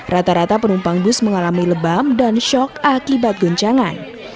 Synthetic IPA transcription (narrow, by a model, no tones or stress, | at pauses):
rat̪aɾat̪apənumpaŋbʊsməŋalamiləbamdanʃɔkakibat̪̚ɡɔɲt͡ʃaŋan